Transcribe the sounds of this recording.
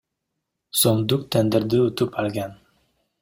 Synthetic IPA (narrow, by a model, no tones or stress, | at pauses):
somd̪uk̚t̪ʰænd̪ɪɾd̪ɪut̪upalɡʲan